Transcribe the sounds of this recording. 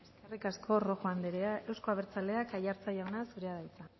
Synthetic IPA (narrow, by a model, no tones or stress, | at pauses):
eskerikaskʰo̞ro̞xoand̪eɾeae̞wsko̞aβe̞ɾt͡sald̪e̞akajaɾt͡sajaonasuɾe̞að̞ajt͡sa